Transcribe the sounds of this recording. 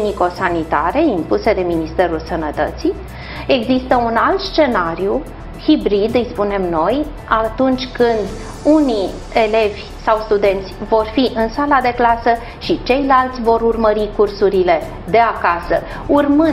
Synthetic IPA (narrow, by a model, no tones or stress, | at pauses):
niko̞sanit̪aɾe̞impuse̞d̪e̞minist̪e̞ɾulsənət̪ə̰t̪si | e̞ɡzist̪əunalt̪st͡ʃe̞naɾju | hibɾid̪ɨjspune̞mno̞j | at̪unt͡ʃʲkɨnd̪ | uni | e̞le̞vʲ | sawst̪ud̪e̞nt̪sʲvo̞rfiʔɨnsalad̪e̞klasə | ʃit͡ʃe̞jlalt̪sʲvo̞ɾurməɾikursuɾile̞ | d̪e̞akasə | urmɨn